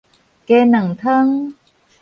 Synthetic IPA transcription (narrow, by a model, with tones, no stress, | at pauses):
ke˧na˨˩ŋt̪ʰə˦˥ŋ